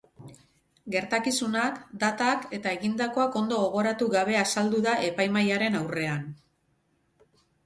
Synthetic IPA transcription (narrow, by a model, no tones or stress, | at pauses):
ɡe̞ɾt̪akisunakd̪at̪ake̞t̪ae̞ɣind̪ako̞ako̞nd̪o̞ɣo̞ɣ̞o̞ɾat̪uɣaβ̞e̞asald̪uðaʔe̞pajmajaɾe̞nawre̞an